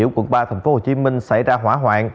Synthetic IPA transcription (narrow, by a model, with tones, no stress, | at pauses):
əwkwə˧˩n̚ɓaː˧t̪ʰɛ˨˩jŋ̟fo˨˥ho˨˩t͡ɕi˨˦mï˧ŋ̟sa˧˩jzaː˧ɦwaː˧˥ɦwa̰ː˧˨n